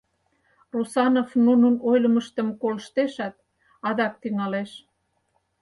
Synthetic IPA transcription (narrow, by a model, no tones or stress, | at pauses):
rusɑnofnunənojlə̆məʃt̪ə̆mkoləʃt̪eʃɑt̪̚ | ɑd̪ɑk̚t̪yŋɑleʃ